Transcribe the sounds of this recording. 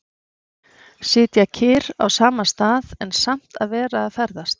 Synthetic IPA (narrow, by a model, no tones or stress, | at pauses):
sɪːt̪jacʰɪːɾa̰wsaːmast̪aːðɛnsam̥t̪aðvɛːɾaːðfɛɾðast̪